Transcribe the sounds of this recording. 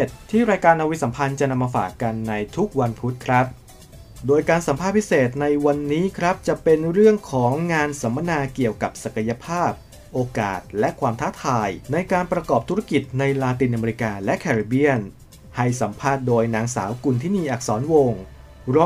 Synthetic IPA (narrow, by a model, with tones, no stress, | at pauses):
t̪ʰːiː˥˩ɾaː˧jkaː˧nʔa˧wi˦˥sa˩˦mpʰa˧nt͡ɕa˨˩na˧mːaː˧fa̰ː˨˩kːa˧nːa˧jt̪ʰu˦˥k̚wa˧npʰu˦˥t̪̚kʰɾa˦˥p̚ | doː˧jkaː˧nsa˩˦mʰpʰaː˥˩t̪̚pʰi˦˥seː˨˩t̪̚na˧jwa˧nːiː˦˥kʰɾa˦˥p̚t͡ɕa˨˩ʔpe˧nɾɯ˥˩əŋkʰɔː˩˦ŋːaː˧nsa˩˦ma˧naː˧ki˨˩əwka˨˩p̚sa˨˩ka˧ja˧pʰaː˥˩p̚ | ʔoː˧ka̰ː˨˩t̪̚lɛ˦˥kʰwaː˧mt̪ʰaː˦˥t̪ʰaː˧jna˧jkaː˧npɾa˧kɔː˨˩p̚t̪ʰu˦˥ɾa˦˥ki˨˩t̪̚na˧jlaː˧t̪i˧nʔa˧meː˧ɾi˧˥kaː˧lɛ˦˥ʔkʰɛː˧ɾi˧˩bi˥˩ən | ha˥˩jsa˩˦mpʰaː˥˩t̪̚doː˧jnaː˧ŋsa̰ː˩˦wku˧nt̪ʰiː˥˩miː˧˩ʔa˨˩k̚sɔː˩˦nwoː˧ŋ | ɾɔː˦˥